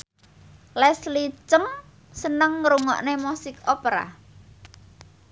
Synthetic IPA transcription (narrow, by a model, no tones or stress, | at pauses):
lɛslit͡ʃəŋ | sənəŋːɾuŋɔ̰ʔnemusɪkopeɾa̰